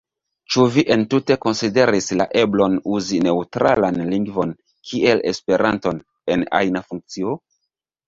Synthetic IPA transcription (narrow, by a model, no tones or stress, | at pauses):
t͡ʃuviʔe̞ntute̞ko̞nside̞ɾisla̰ʔeblo̞nuzine̞utɾa̰lanliŋɡvo̞n | kʰiʔe̞le̞spe̞ɾʔanto̞n | e̞na̰jnafuŋk̚t͡sio